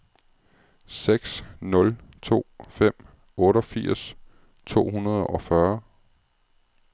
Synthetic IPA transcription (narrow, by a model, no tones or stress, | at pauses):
seɡ̥snɔ̽lt͡sʰo̝̰ːfem̰ | ɔ̽ːɾəɒ̽fiɐ̰s | t͡sʰo̝̰ːhunɐð̞ˠɒ̽fɶɐ